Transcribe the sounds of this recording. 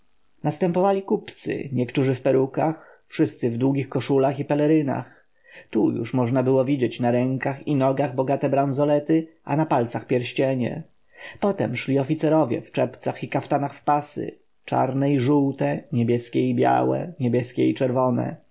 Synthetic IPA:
nast̪ɛmpɔvalʲikupt̪sɘ̰ɲɛkt̪uʐɘfpɛɾukax | fʂɘst̪sɘvd̪wuɡʲixkɔʂulaxipɛlɛɾɘna̰x | t̪ujṵʂmɔʐnabɘwɔvʲid͡ʑet͡ɕnaɾɛŋkaxinɔɡaɣbɔɡat̪ɛbɾanzɔlɛt̪ɘʔanapalt̪saxpʲjɛɾɕt͡ɕɛɲɛ̰ | pɔt̪ɛmʂlʲiɔfʲit̪sɛɾɔvʲjɛ̰ft͡ʂɛpt̪saxikaft̪anaxfpasɘ̰ | t͡ʂa̰ɾnɛiʐuwt̪ɛɲebʲjɛskʲɛibʲja̰wɛ̰ɲebʲjɛskʲɛit͡ʂɛɾvɔnɛ̰

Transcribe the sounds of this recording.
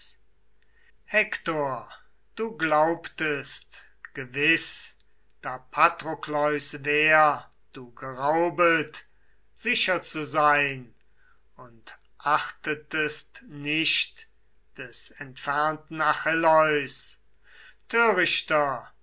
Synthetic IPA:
hɛktoːɐ | d̥uːɡlaʊptəst | ɡ̥əvɪs | d̥aːpʰatʁoklɔʏsvɛːɐ | d̥uːɡəʁaʊbət | z̥ɪʃɐt͡suzaɪn | ʊnt | ʔaχtətəstnɪʃt | d̥ɛsɛntfɛɐntn̩aχɪlɔʏs | tʰøːʁɪʃtɐ

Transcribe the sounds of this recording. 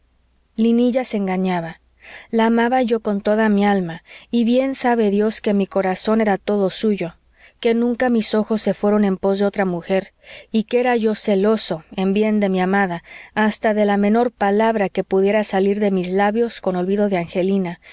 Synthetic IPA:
liniʝaseŋɡaɲaβa | laːmaβaʝo̞ko̞nt̪o̞ðamialmaiβje̞nsaβe̞ðjo̞ske̞miko̞ɾaso̞ne̞ɾat̪o̞ðo̞suʝo̞ | ke̞nũŋkamiso̞xo̞sːe̞fwe̞ɾo̞ne̞mpo̞zðeo̞t̪ɾamuxe̞ɾikeeɾaʝo̞se̞lo̞so̞e̞mbje̞nd̪e̞miamaðaːst̪aðe̞lamẽ̞no̞ɾpalaβɾake̞puðjeɾasaliɾðe̞mizlaβjo̞sko̞no̞lβiðo̞ðeaŋxe̞lina

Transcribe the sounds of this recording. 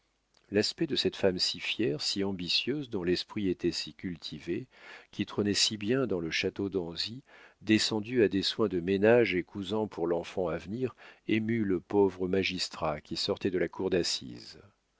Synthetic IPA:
laspɛd̪əsɛt̪famsifjɛʁsiɑ̃bisjøzd̪ɔ̃lɛspχiet̪ɛsikʲylt̪ʰivekʲit̪χənɛsibjɛ̃d̪ɑ̃ləʃat̪od̪ɑ̃zid̪esɑ̃d̪yad̪eswɛ̃d̪əmenaʒekʰuzɑ̃puʁlɑ̃fɑ̃avniʁemyləpovʁəmaʒist̪χakʲisɔʁt̪ɛd̪əlakʰuʁd̪asḭz

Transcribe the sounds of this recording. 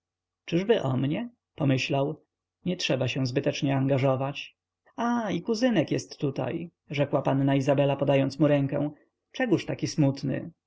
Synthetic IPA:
t͡ʂɘʐbɘʔɔ̰mɲɛ | pɔmɘɕlaw | ɲɛtʂɛbaɕɛ̃zbɘt̪ɛt͡ʂɲɛaŋɡaʐɔvat͡ɕ | aikuzɘnɛkjɛst̪ːut̪a̰j | ʐɛkwapanːaizabɛlapɔd̪ajɔnt̪smuɾɛŋkɛ̰̃w̃ | t͡ʂɛɡuʂt̪akʲismut̪nɘ̰

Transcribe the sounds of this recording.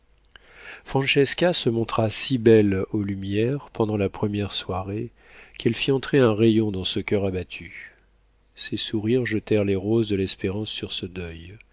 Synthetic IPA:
fχɑ̃nʃɛskʲasəmɔ̃t̪χasibɛlolymjɛʁpɑ̃d̪ɑ̃lapχəmjɛʁswaʁe | kɛlfiɑ̃t̪χeɛ̃ʁejɔ̃d̪ɑ̃səkʲœʁabat̪ʰy | sesuʁiʁʒət̪ɛʁleʁozd̪əlɛspeʁɑ̃sːyʁsəd̪œj

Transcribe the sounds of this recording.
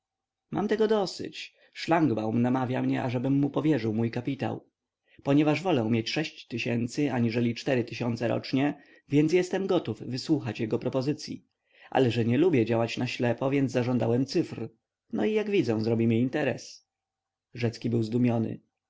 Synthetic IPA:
mʔa̰mt̪ɛɡɔd̪ɔsɘ̰t͡ɕ | ʂlaŋɡbawmnamavʲjamɲɛʔaʐɛbɘmːupɔvʲjɛʐɘwmujkapʲit̪a̰w | pɔɲɛvaʐvɔlɛumʲjet͡ɕʂɛɕt͡ɕt̪ɘɕɛnt̪sɘaɲiʐɛlʲit͡ʂt̪ɛɾɘt̪ɘɕɔnt̪sɛɾɔ̰t͡ʂɲɛ | vʲjɛnsjɛst̪ɛmɡɔt̪ufːɘswuxat͡ɕjɛɡɔpɾɔpɔzɘt̪sʲjḭ | ʔa̰lɛʐɛɲɛlubʲjɛd͡ʑawat͡ɕnaɕlɛpɔvʲjɛnd̪zzaʐɔnd̪awɛmt̪sɘfr | nɔijaɡvʲid̪zɛzɾɔbʲimiint̪ɛɾɛ̰s | ʐɛt̪skʲibɘwzd̪umʲjɔnɘ̰

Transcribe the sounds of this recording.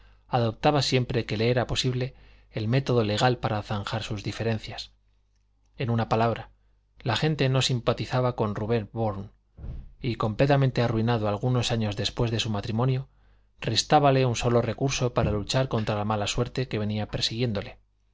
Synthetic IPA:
aðo̞p̚t̪aβasje̞mpɾe̞ke̞le̞eɾapo̞siβle̞ː | lme̞t̪o̞ðo̞le̞ɣ̞alpaɾaːθaŋxaɾsuzðife̞ɾe̞n̟θjas | e̞nunapalaβɾa | laxe̞nt̪e̞no̞simpat̪iθaβako̞nruβe̞nboɾn | iko̞mple̞t̪amẽnt̪e̞aruinaðoalɣ̞uno̞saɲo̞zðe̞spwe̞zðe̞sumat̪ɾimonjo | re̞st̪aβale̞unso̞lo̞re̞kuɾso̞paɾalut͡ʃaɾko̞nt̪ɾalamalaswe̞ɾt̪e̞ke̞β̞e̞niape̞ɾsiɣ̞je̞nd̪o̞le̞

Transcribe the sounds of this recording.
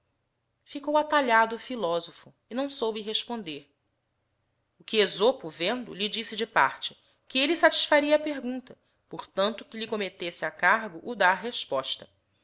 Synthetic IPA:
fikowat̪aʎad̪ʊfilɔzofʊ | ɪnɐ̃w̃sowbiɦeʃpõnd̪eɾ | ʊkɪezopʊvẽnd̪ʊ̰ʎid͡ʒisɪd͡ʒɪpa̰ɾt͡ʃɪ̥ | kɪelɪsat͡ʃi̥ʃfaɾiɐaːpeɾɡũnt̪ɐ | poɾt̪ɐ̃nt̪ʊkɪʎɪkomet̪esɪakaɾɡʊʔːd̪aɾɦeʃpɔʃt̪ɐ̥

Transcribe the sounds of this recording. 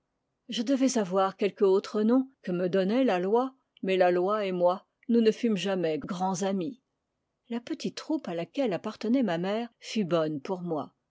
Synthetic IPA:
ʒəd̪əvɛzavwaʁkʲɛlkəot̪χənɔ̃kəməd̪ɔnɛlalwa | mɛlalwaemwa | nunəfymʒamɛɡʁɑ̃zami | lapət̪it̪ːχupalakʲɛlapaʁt̪ənɛmamɛːʁfybɔnpuʁmwa̰

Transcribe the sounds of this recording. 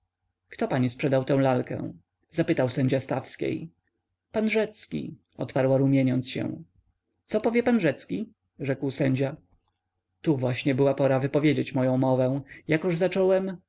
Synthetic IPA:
kt̪ɔpaɲispʂɛd̪awt̪ɛ̃w̃lalkɛ̰̃ | zapɘt̪awsɛɲd͡ʑast̪afskʲḛj | panʐɛt̪skʲḭ | ɔ̰t̪paɾwaɾumʲjeɲɔnt̪sɕɛ̰̃ | t̪sɔpɔvʲjɛpanʐɛt̪skʲi | ʐɛkwsɛɲd͡ʑa | t̪uvwaɕɲɛbɘwapɔɾavɘpɔvʲjed͡ʑet͡ɕmɔjɔ̃w̃mɔvɛ̃jakɔʐzat͡ʂɔwɛm

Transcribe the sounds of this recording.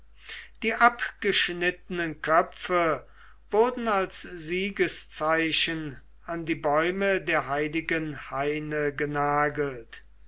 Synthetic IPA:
d̥iːʔapɡ̥əʃnɪtənənkʰœfə | vʊɐdn̩alsziːɡəst͡saɪɕən | andiːbɔʏmədeːɐɦaɪlɪɡənhaɪnəɡənaːɡəlt

